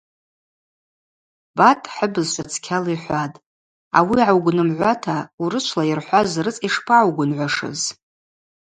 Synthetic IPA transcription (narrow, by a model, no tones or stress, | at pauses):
b̥atʼħəbɨzʃat͡sʰkʲʰaliħʷatʼ | a̰wiʕawɡʷʊnɨmʕʷatʰauɾɨt͡ʃʷʰlairħʷazrɨt͡sʼiʂpʰaawɡʷʊnʕʷaʂɨ̰z